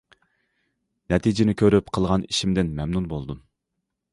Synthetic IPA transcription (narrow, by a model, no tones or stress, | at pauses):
nɛt̪ʰid͡ʒɪnɪkʲʰøɾypqʰəlˠʁɑniʃimd̪ɪnmɛmnunbolˠd̪u